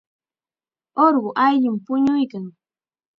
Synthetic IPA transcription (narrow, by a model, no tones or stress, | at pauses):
oɾɢʊʔajʎɪmpʊɲʊjkaŋ